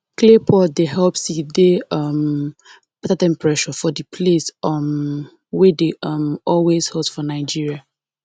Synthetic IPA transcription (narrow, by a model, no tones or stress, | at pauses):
klepʰɔdeɦɛlpsideʌm | b̥ɛtadɛ̃mpɹɛʃɔfɔdipʰlesm | wedeʌmɔlwez̥hɛlsfɔnaɪd͡ʒiɹia